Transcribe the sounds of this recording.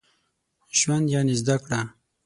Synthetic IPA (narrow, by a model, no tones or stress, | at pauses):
ʒwand̪jaːnezd̪akɽa